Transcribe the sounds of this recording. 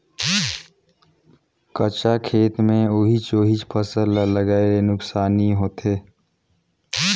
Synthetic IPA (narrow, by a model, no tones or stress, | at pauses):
kət͡ʃakʰeːt̪mẽoːɦit͡ʃoːɦit͡ʃpʰəsəlləɡaːeɾenʊksaːniɦoːt̪eː